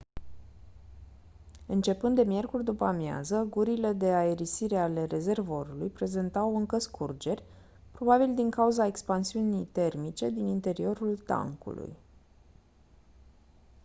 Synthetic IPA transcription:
ɨnt͡ʃe̞pɨnd̪e̞mje̞rkurʲd̪upəmja̰zəɡuɾile̞d̪e̞aeɾisiɾe̞ale̞re̞ze̞rvoɾulujpɾe̞ze̞nt̪awɨŋkəskʰurd͡ʒe̞rʲ | pɾo̞babild̪iŋkauzae̞kspansiunijt̪e̞rmit͡ʃe̞d̪inint̪e̞ɾio̞ɾult̪a̰ŋkṵlṵj

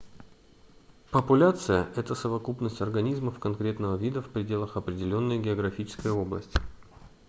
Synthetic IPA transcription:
pəpʊlʲat̪sɨjəʔɛt̪əsəvɐkupnəsʲtʲɐrɡɐnʲizməfkɐnkɾʲe̞t̪nəvəvʲid̪əfpɾʲɪdʲe̞lˠəxɐpɾʲɪdʲɪlʲo̞nːəjɡʲɪɐɡɾɐfʲit͡ɕɪ̥skəjəo̞blˠə̰sʲtʲɪ

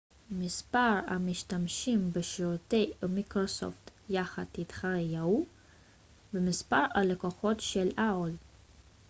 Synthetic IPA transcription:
mispaʁa̰miʃtamʃimbeʃiʁutejmikʁoso̰ft̪jaχat̪it̪χaʁejau | bemispaʁalekoχo̞t̪ʃelʔaol

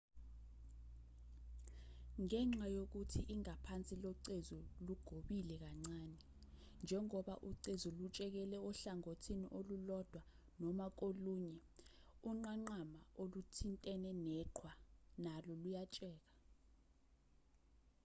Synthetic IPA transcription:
ŋɛŋ͡ǁajok̬utʰiʔiŋapʰant͡sʼilɔǀezuluɡ̥ʱoɓilɛk̬aŋ͡ǀanɛ | nd͡ʒʱɛŋɔɓa̰ʔuǀezulut͡ʃʼɛk̬ɛlɛɔɬaŋotʰiniʔolulɔd̥ʱwa | nɔmak̬oluːɲɛuŋ͡ǃaŋ͡ǃamaolutʰintʼɛnɛnɛǃʰwanalɔlujat͡ʃʼɛːk̬ḁ

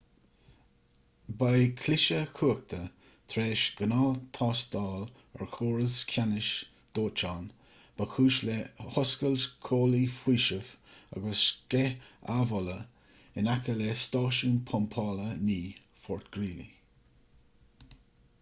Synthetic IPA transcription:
bajkʰlɪʃəkʰuːək̚t̪ʰə | t̪ʰɾeːʃɡ̥ənɑːlt̪ʰɑːsd̪̥ɑːl | ɛ̰ɹxʰuːɹəskʰanɪʃ | d̪̥oːt͡ʃɑːn | b̥əxʰuːʃlehɔskəlskʰoːlifwiːʃəv̥a̰ɡəskɛa̰vɔlə | ɪnakəlest̪ɑːʃunpʰɔmpʰɑːləniː | fɔɹt̪ɡ̥ɾiːlḭ

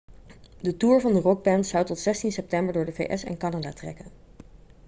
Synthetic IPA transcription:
dətuːɹvɑndərɔɡ̚bɛnsɑwtɔtsɛstinsɛp̚tɛmbəɹdʊːɹdəvḛjʔɛsɛ̰nkɑnadaːtrɛ̰kən

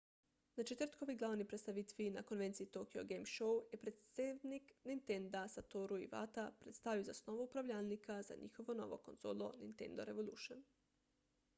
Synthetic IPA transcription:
nat͡ʃet̪rt̪ko̞ʋiɡlˠaːʋnipɾet̪st̪aʋit̪ʋinako̞nʋe̞nt̪siit̪okio̰ɡemʃowjepɾet̪sedniknint̪end̪asat̪oɾuḭʋa̰t̪apɾet̪st̪aʋijozasno̞ʋoupɾaʋʎalnikʰaza̰ɲḭxo̞ʋo̞no̞̰ʋo̞̰ko̞nz̥oːlˠo̞̰nḭnt̪ḛnd̪o̞ɾe̞ʋolˠuʃon

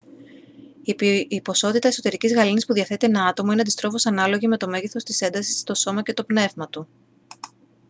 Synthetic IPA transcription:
iipo̞so̞t̪it̪ɐe̞so̞t̪e̞ɾicizɣɐlinispuðiɐθe̞t̪eenɐɐt̪o̞moineɐd̪ist̪ɾo̞fo̞sɐnɐlo̞ʝimet̪o̞meɣiθo̞st̪ise̞nd̪ɐsi̥st̪o̞so̞mɐcet̪o̞pne̞vmɐt̪u

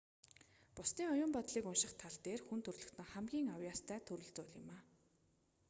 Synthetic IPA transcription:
pʊsniːŋɔjʊːmpɔt̪ɮiːkʊnʃɪ̆χt̪ʰaɮt̪eːrxunt̪ʰɵrɮɵ̆kt̪ɘ̆ŋχæmɡʲiːŋawjaːst̪ʰæːt̪ʰɵɾɵ̆ɬt͡sʊːɮɪ̆maː

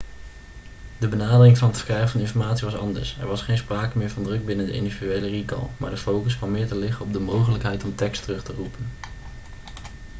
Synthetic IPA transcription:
dəbənaːdərɪŋvɑnətfə̥krɛjχvɑnɪnfɔɹmaːtsiʋɑsɑndə̰ɹsɛ̰ɹʋɑsχejnspraːkəmɪːɹvɑndrɵɡ̚bɪnəndə̰ʔɪ̰ndividyejlərikɑ̰lˠma̰ːɹdəfowkəskʋɑmɪːɹtəlɪχəɔb̚dəmowχələkɦɛjtɔmtɛkstərɵχtərupən

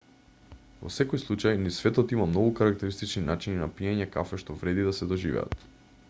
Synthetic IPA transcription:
vɔ̰sɛkɔjslˠut͡ʃajnisvɛt̪ɔt̪imamnɔɡukaɾak̚t̪ɛɾist̪it͡ʃninat͡ʃininapiɛɲɛkafɛʃt̪ɔvɾɛd̪id̪asɛd̪ɔʒivɛ̰a̰t̪

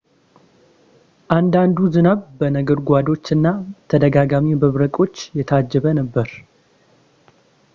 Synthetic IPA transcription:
ʔand̪and̪uzɨnaβbənəɡəɾɡʷad̪o̞t͡ʃːɨnːat̪ʰəd̪əɡaɡamibəβɾəkʼo̞t͡ʃːjɛt̪ʰəad͡ʒːɛβənəbːəɾ

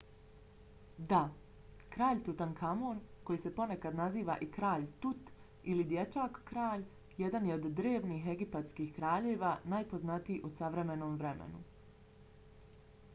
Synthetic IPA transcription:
d̪a | kɾaːʎt̪ut̪ankʰamoːɾko̞jise̞po̞ne̞kad̪naziːʋa̰ʔikɾaːʎt̪ut̪ | ilid̪je̞t͡ʃaːkkɾaːʎ | je̞d̪anjeo̞d̪ːɾeːʋniːɦe̞ɡipat̪skihkɾaːʎeːʋaːnajpo̞znat̪ijiʔusaʋɾe̞me̞no̞ːmʋɾe̞mḛnu

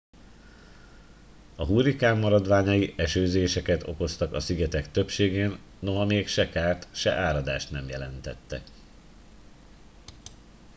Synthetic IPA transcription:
ɒɦuɾikaːmːɒɾɒd̪ʋaːɲɒjiʔɛʃøːzeːʃɛkɛt̪o̞̰ko̞st̪ɒkɒsiɡɛt̪ɛkt̪ø̞pʃeːɡeːnːo̞ɦɒmeːkʃɛkaːrt̪ʃɛ̰ʔaːɾɒd̪aːʃt̪nɛmjɛlɛn̪t̪ɛ̰t̪ːɛk

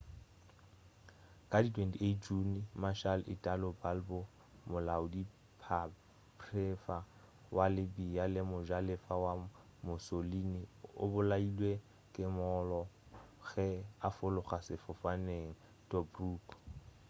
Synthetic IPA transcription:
kʼaditʰwɛntied͡ʒunmaʃalʔɪtʼalʊbalbɔ | mʊlaʊdi | pʰa | pʰrɛfa | wʔalɪbijalɪmʊʒalɪfawa | mʊsoliniʊ̰bʊlailwe | kʼɪmɔlɔ | ɣɛafʊlʊχasɪfʊfaneŋ̩ | tʼɔbruːkʰ

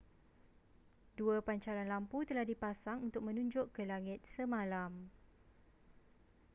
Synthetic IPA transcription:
duəpaɲt͡ʃaɾanlamput̪əlahdipasaŋunt̪ʊk̚mə̃nũɲd͡ʒʊʔkːəlaŋɪt̪̚səmãlam

